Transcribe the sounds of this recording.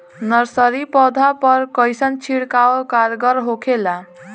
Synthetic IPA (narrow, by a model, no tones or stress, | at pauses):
nʌɾsʌɾipɔd̪ʱapʌɾkʌjsʌnt͡ʃʰiɽkaokaɾɡʌɾɦokʰela